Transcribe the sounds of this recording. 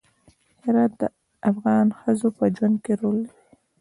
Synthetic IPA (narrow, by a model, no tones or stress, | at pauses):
hɪɾɑt̪̚d̪ə | ʔafɣɑnxəzopəd͡ʒwand̪̚keɾolːawi